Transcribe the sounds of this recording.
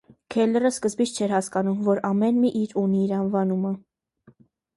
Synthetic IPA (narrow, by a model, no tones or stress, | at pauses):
kʰɛlərəskəzbit͡sʰt͡ʃʰɛɾhɑskɑnumvɔɾɑmɛnmiʔiɾuniːɾɑnvɑnumə